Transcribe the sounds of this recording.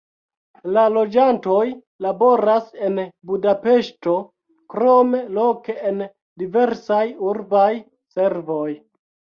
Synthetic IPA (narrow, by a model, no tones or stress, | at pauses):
lalo̞d͡ʒanto̞j | labo̞ɾase̞nbudape̞ʃto̞ | kɾo̞me̞lo̞ke̞en | dive̞ɾsajuɾbaj | se̞ɾvo̞j